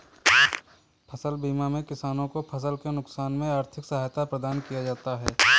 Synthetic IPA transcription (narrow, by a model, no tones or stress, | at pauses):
pʰɐsəlbiːmamẽkɪsaːnõkopʰɐs̬əlkenʊksaːnmẽaːɾt̪ʰɪksɐɦaːjt̪apɾəd̪aːnkijad͡ʒaːt̪aɦɛː